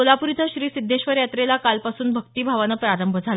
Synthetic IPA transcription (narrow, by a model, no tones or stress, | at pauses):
olapuɾit̪ʰəɕɾiːsid̪ʱːeɕʋəɾjat̪ɾelakalpasuːnbʱəkt̪iːbʱaʋanəpɾaɾəmbʱəd͡zʱal